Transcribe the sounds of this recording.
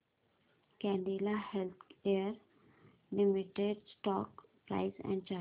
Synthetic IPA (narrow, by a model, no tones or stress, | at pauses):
kɛ̃ːɳɖiːlahɛlt̪ʰkeəɾ | lɪmɪʈeɖsʈɔːkpɾa̰ɪsɛ̰̃ɳɖ̚t͡ʃaː